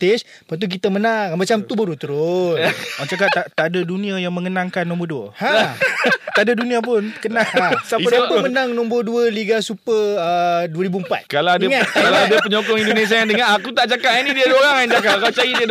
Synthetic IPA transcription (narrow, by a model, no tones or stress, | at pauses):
t̪es | pat̪̬uk̬it̪əmənaŋmat͡ʃamt̪ubaɾut̪əɾʊsat͡ʃak̬ap̚t̪at̪adədunĩajaŋməŋənãŋkanːɔ̃mbəduəha | t̪adədunĩap̬ʊnkənaãsaədaəmənãŋnɔ̃mbəduəliɡasupəəduəɾibuəmpa̰t̪̚kalaadaŋakalaadapəɲɔkɔŋindones̬iajaŋt̪əŋaʔakut̪aʔt͡ʃakaʔanidiadoɾaŋand͡ʒakapakawt͡ʃajidi